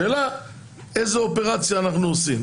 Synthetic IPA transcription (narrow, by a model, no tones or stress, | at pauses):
eːla | ejzeopeʁat͡sjaːnaχnuosim